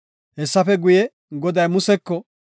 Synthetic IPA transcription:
hɛsːɐfɛɡʊjɛ | ɡɔd̪ɐjmʊsɛkːɔ

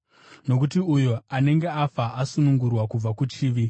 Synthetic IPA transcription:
no̞k̬utiujoane̞ŋɡe̞afaʔasunuŋɡurwakub͡vakut͡ʃiːʋi

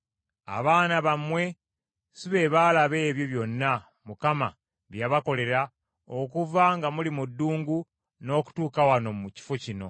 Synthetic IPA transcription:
a̰βaːnaβamwe̞ | siβe̞βaːlaβe̞ːβjoβjo̞nːa | mukama̰ | βjaβako̞le̞ɾa | okuvaŋɡamulimudːuːŋɡu | no̞ːku̥tuːkawano̞muci̥focino̞̰

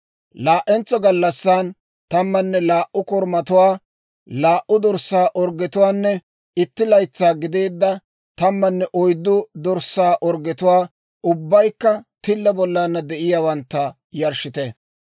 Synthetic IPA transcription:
laːʔɛnt͡sːɔɡɐlːɐsːaːn | t̪ɐmːɐnːɛlaːʔʊkɔɾmɐt̪ʊwaː | laːʔʊd̪ɔɾsːaːʔɔɾɡɛt̪ʊwaːnːɛ | ɪt̪ːɪlɐjt͡sːaːɡɪd̪e̞ːd̪ːɐ | t̪ɐmːɐnːɛʔɔjd̪ːʊd̪ɔɾsaːʔɔɾɡɛt̪ʊwaː | ʊbːɐjkːɐt̪ɪlːɛbɔlːaːnːɐd̪ɛʔɪjaːwɐnt̪ːɐ | jɐɾʃɪt̪ɛ

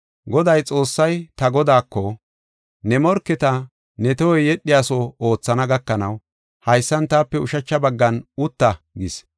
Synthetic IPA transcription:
ɡɔd̪ɐjt͡sʼo̞ːsːɐjt̪ɐɡɔd̪aːkːɔ | nɛmɔɾkɛt̪ɐ | nɛt̪ɔwɔjjɛɗːɪjaːsɔoːt͡sːɐnɐɡɐkːɐnɐw | hɐjsːɐnt̪aːpːɛʊʃɐt͡ʃːɐbɐɡːɐnʊt̪ːɐ | ɡɪs

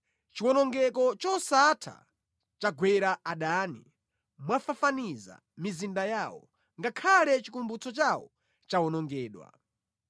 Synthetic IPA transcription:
t͡ʃiwɔnɔŋɡɛkɔt͡ʃɔsatʰa̰ | t͡ʃaɡwɛɾaaɗaːni | mwafafaniza̰ | mizindajaːwɔ̰ | ŋɡakʰalɛt͡ʃikumbut͡sɔt͡ʃawɔ̰ | t͡ʃawɔnɔŋɡɛːɗwa̰

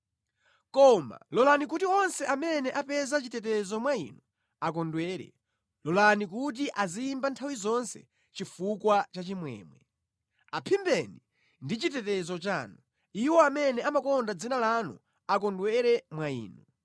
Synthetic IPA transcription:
kɔma̰lɔlanikutiɔnsɛʔamɛnɛʔapɛzat͡ʃitɛt̬ɛzɔmwaḭːnɔ | ak̬ɔndwɛːɾɛ̰ | lɔlanikut̬iʔaziimbantʰawizɔnsɛ̰ | t͡ʃifukwat͡ʃat͡ʃimwɛ̰ːmwɛ | apʰimbɛni | ndit͡ʃitɛtɛzɔt͡ʃa̰ːnɔ | iwɔamɛnɛamakɔndad͡zinalanṵ | akɔndwɛɾɛmwaḭːnɔ

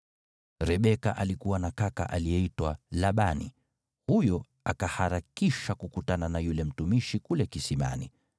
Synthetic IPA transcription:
ɾɛɓɛka̰ʔalikuwanakaka̰ʔalijɛitwalaɓanḭ | hujɔ | akahaɾakiʃakukutananajulɛm̩tumiʃikulɛkisima̰ni

